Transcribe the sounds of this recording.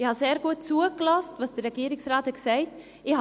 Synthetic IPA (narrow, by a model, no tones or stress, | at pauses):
ɪhɑseːɾɡuət̚t͡suːəɡlɑstvɑsd̥ərːɛɡiːɾɪksraːthɛksɛɪt | ɪh